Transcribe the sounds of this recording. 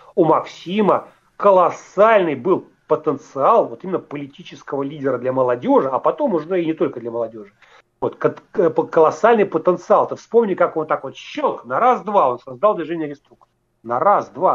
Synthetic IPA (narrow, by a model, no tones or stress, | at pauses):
umɐksʲimə | kəlˠɐsalʲnɨjbɨlˠ | pət̪ənt̪sɨalˠvo̞t̪imʲɪnːəpəlʲɪtʲit͡ɕɪskəvəlʲidʲɪɾəd̪lʲaməlˠɐdʲo̞ʐəɐpɐt̪o̞mʊʐɛinʲɪt̪o̞lʲkəd̪lʲɐməlˠɐdʲo̞ʐɨ | vo̞t̪kəkəlˠɐsalʲnɨjpət̪ənt̪sɨalˠt̪ɨfspo̞mnʲɪkakont̪akvot̪ɕːoknɐɾazd̪vao̞nsɐzd̪alˠd̪vʲɪʐɛnʲɪəɾʲɪst̪ɾuk̚t̪ | nɐɾasd̪va